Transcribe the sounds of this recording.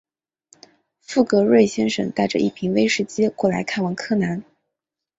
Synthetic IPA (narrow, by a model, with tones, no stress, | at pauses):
fu˥˩kɤ˧˥ɻwe˥˩ɪɕjɛ˥nʂə̰˨˩ŋt̪a˥˩ɪʈ͡ʂə̰˧ʔḭ˥˩pʰi˧˥ŋwe˥ɪʂɻ̩˥˧˩t͡ɕjɛ˥kwɔ˥˩la˧˥ɪkʰa˥˩nwɑ˧˥˩ŋkʰɤ˥˩na˧˥n